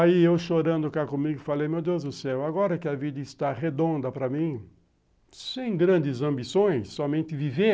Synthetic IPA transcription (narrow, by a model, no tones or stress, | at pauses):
aiewʃoɾɐ̃nd̪ʊkakõmiɡʊfalejmewd̪ewzd̪ʊsɛwaɡɔɾɐkɪɐvid̪ɐɪst̪aʁed̪õnd̪ɐpɾɐmĩ | sẽj̃ɡɾɐ̃nd͡ʒ̪ɪzɐ̃mbisõj̃sːɔmẽnt̪ɪvive